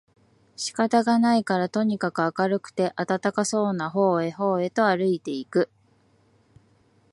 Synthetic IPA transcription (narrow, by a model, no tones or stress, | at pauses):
ɕi̥kat̪aɡanaikaɾat̪o̞ɲ̟ikakɯ̟akaɾɯ̟kɯ̟̥t̪e̞ʔat̪at̪akaso̞ːnaɦo̞ːe̞ɦo̞ːe̞t̪o̞aɾɯ̟it̪e̞ikɯ̟